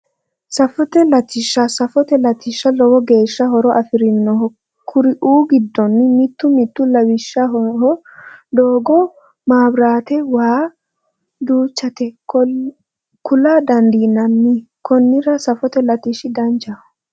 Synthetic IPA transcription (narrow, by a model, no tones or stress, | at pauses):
sɐfɔt̪ɛlɐt̪ːɪʃːɐsɐfɔt̪ɛlɐt̪ːɪʃːɐlɔwɔɡe̞ːʃːɐɦɔɾɔʔɐfɪɾɪnːɔhɔ | kʰʊɾɪʔuːɡɪd̪ːɔnːɪmɪt̪ːʊmɪt̪ːʊlɐwɪʃːɐɦɔɦɔ | d̪oːɡɔ | maːbɾaːt̪ɛwaː | d̪uːt͡ʃːɐt̪ɛ | kʊlaːd̪ɐnd̪iːnɐnːɪ | kʰɔnːɪɾɐsɐfɔt̪ɛlɐt̪ɪʃɪd̪ɐnd͡ʒɐ